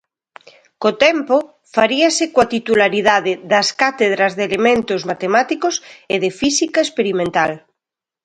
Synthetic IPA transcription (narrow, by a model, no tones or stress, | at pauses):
kot̪ɛmpo | faɾiasekwat̪it̪ulaɾiðaðeðaskat̪eð̞ɾazðelemẽnt̪ozmat̪emat̪ikoseðefisikaespeɾimẽnt̪al